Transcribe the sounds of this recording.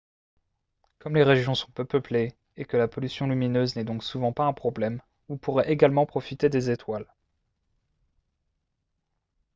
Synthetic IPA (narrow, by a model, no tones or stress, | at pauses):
kɔmleʁeʒjɔ̃sɔ̃pøpəple | ekəlapɔlysjɔ̃lyminøznɛd̪ɔ̃ksuvɑ̃paɛ̃pχɔblɛm | upuʁɛʔeɡalmɑ̃pχɔfit̪ed̪ezet̪wal